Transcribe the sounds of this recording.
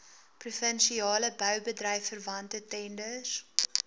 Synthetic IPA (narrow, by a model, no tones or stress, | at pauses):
prufənʃiɑːləbœwbədrɐjfərvɐntətɛndəs